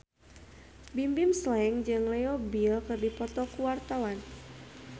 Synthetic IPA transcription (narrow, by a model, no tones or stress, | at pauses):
bimbimslɛŋd͡ʒɨŋlɛɔbilkɨrdipɔt̪ɔkuwart̪awan